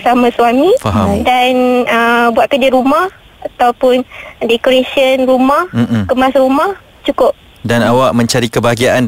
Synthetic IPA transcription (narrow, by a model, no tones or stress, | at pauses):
samãswamĩfaɦadanəbuat̪̚kəd͡ʒɪɾumah | at̪awpʊndɛkoɾesənrumah̩kəmasɾumah | t͡ʃukʊp̚ | danawaʔmə̃ɲt͡ʃaɾikəbaaɡiaʔan